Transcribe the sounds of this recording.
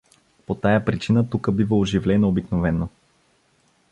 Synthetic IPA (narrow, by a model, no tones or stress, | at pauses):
pot̪ajəpɾit͡ʃinət̪ukəbivəoʒivlɛnoobiknovɛnːo